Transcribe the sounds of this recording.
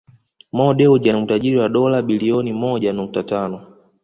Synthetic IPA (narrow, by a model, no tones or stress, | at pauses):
mɔɗɛuʄanmutaʄiɾiwaɗɔlaɓiliɔnimɔʄanuk̚tatanɔ